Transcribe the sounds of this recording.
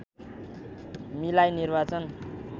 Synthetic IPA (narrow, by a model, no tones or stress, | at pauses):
milajnirbat͡sʌn